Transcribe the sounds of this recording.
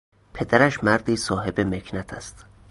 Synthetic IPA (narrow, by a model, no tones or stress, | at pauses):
pʰe̞d̪æɾæʃmæɾd̪iːsɒːɦe̞bemekʰnæt̪ʰæst̪